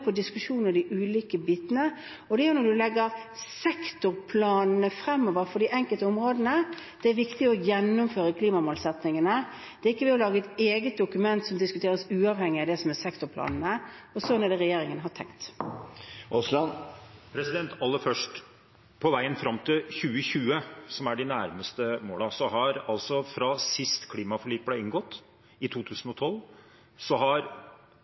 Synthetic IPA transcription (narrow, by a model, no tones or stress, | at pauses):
pʰɔd̪ɪskʉʂuːnəd̪ɪʔʉːliːkəbiːt̪ənə | ɔd̪ɛæʊnɔd̪ʉlɛɡːəɾsɛkt̪ʊɾpʰlɑːnnəfɾɛmːɔʋəɾfɔɖɪʔɛŋkəlt̪əʊmɾoːd̪n̩əd̪̥ɛæɾʋɪkt̪ɪɔjɛnːʊmføːɾəkʰliːmɑmoːlsɛt̪nɪŋənə | d̪̥ɛɾɪkːəʋɛɔlɑːɡəɛt̪eːɡət̪̚d̪ʊkʉmɛnt̪sɔmd̪ɪskʉt̪ʰeːɾəsʉːɑʋhɛŋːɪɑd̪ɛsɔmæɾsɛkt̪ʊɾpʰlɑ̰ːnn̩əɔsɔnɛɖ̪ɛɾɛjeːɾɪŋənɦɑʈ̪ʰɛ̰ŋkt̪ | ɔslɑnpʰɾɛsɪd̪ɛnt̪ɑlːəfœʂʈ | pʰɔʋæɪənfɾɑmːt̪ʰɪlçʉːəçʉːəsɔmæɖɪnæɾməst̪əmoːlɑsɔhɑɾɑlsɔfɾɑsɪst̪kʰliːmɑfɔɭiːpləɪŋɡɔt̪ː | ɪt̪ʰuːt̪ʰʉːsn̩ɔt̪ʰɔl | sɔɦɑɾ